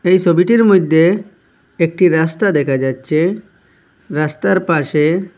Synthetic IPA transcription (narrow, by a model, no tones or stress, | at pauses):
ejt͡ʃʰobiʈiɾmod̪ʱːe | ek̚ʈiɾast̪ad̪ɛkʰad͡ʒatːʃʰe | ɾast̪aɾpaʃe